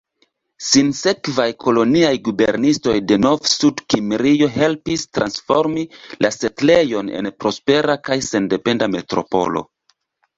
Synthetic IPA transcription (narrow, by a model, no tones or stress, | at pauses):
sinse̞kvajkʰo̞lo̞niajɡube̞ɾnisto̞jde̞novsudkimɾijo̞ɦe̞lpistɾʔansfo̞ɾmilʔase̞tle̞jo̞nḛnpɾo̞spe̞ɾakajse̞nde̞pe̞ndame̞tɾo̞̰po̞̰lo̞̰